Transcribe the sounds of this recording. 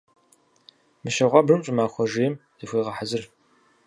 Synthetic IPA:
mɨʃɐʁʷɑbrɨmɕʼʊmaːxʷɔʒejɛm | ixʷeːʁɐħazɨr

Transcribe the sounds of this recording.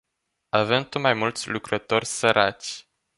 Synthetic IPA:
avemt̪umajmult̪sʲlukɾət̪o̞rʲsəɾʔat͡ʃʲ

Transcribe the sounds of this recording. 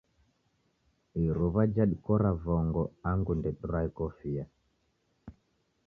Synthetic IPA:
iɾuβad͡ʒaɗikɔɾavɔŋɡɔaŋɡundɛɗɾaikɔfija

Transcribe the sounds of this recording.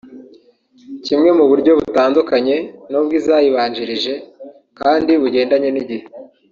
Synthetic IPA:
cimŋe̞muβuɾɟo̞βutaːndukaɲe̞nobɡizaːjiβaːɲd͡ʒiɾiʒe̞ | kaːndiβuɟe̞ːndaɲe̞niɟihe

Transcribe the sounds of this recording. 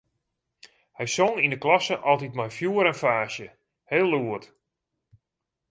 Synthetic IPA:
hɛjsoŋindəklɔsəʔɔlˠtitmajfjuːəɾənfaːʃjə | heːlˠːuət

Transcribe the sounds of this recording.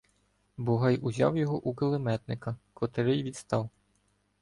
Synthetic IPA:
bɔɦɑjuzʲɑ̰wjɔɦɔʔukelˠemɛt̪nɪkɐkɔt̪ɪɾɪjʋʲit̪st̪ɑw

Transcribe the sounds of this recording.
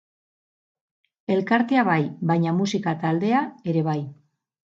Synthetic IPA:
e̞lkaɾt̪e̞aβajbajɲamusikat̪ald̪e̞ae̞ɾe̞β̞aj

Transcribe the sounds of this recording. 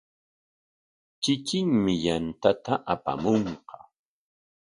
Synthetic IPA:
t͡ʃɪkɪŋmɪjant̪at̪aʔapa̰moɴqɑ̥

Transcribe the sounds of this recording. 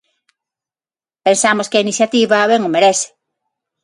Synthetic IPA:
pensamoskɪainiθjat̪iβaβɛŋʊmeɾɛθɪ̥

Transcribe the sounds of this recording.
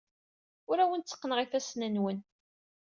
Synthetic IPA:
ʊɾæwənt͡sːə̥qːnəʁiθæsnænwən

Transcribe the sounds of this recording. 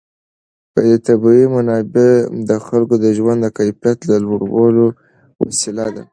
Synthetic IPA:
pəd̪et̪abiimanɑbed̪əxalkod̪əʒwand̪d̪əkajfijat̪lalwoɽawəlo | wa̰sɪlad̪a

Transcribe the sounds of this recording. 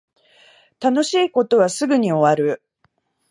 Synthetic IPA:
t̪ano̞ɕiːko̞t̪o̞βasɨɡɯɲ̟io̞βaɾɯ̟

